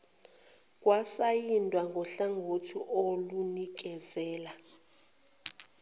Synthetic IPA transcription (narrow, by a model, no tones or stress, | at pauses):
k̬ʼwasajindʱwaŋɡʱɔɬaŋɡʱotʰiʔolunik̬ʼɛzɛːla